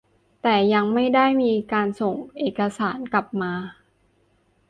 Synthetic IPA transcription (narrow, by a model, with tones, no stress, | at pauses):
t̪ɛː˨˩ja˧ŋma˥˩jda˥˩jmiː˧kaː˧nso˨˩ŋʔeː˨˩ka˧saː˩˦nka˨˩p̚maː˧